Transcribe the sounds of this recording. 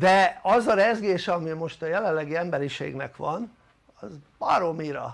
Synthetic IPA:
d̪ɛɒzɒɾɛzɡeːʃɒmimo̞ʃt̪ɒjɛlɛlːɛɡiɛmbɛɾiʃḛːɡnɛkʋɒn | ɒzbɒ̰ɾo̞miɾɒ̰

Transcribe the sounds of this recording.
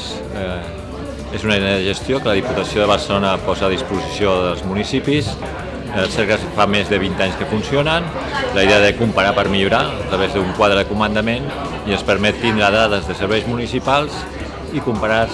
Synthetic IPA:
ezunəiðeəðəʒəst̪jokələðiput̪əsioðəβəɾsəlonəpɔzəːðispuzisioðəlˠzmunisipis | əlˠsɛɾkəfamezðəβint̪aɲskəfunsionənləiðeəðəkumpəɾapəɾmiʎuɾaət̪ɾəβ̞ezðuŋkwaðɾəðəkumənd̪əmen | iənspəɾmɛt̪ːind̪ɾaðaðəzðəsəɾβɛjzmunisipalˠz | ikumpəɾa

